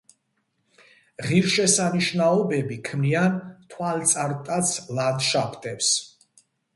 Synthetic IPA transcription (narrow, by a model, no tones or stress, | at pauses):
ʁiɾʃɛsaniʃnaɔbɛbikʰmniant̪ʰwalt̪sʼaɾt̪ʼat̪sʰlad̪ʃapʰt̪ʼɛps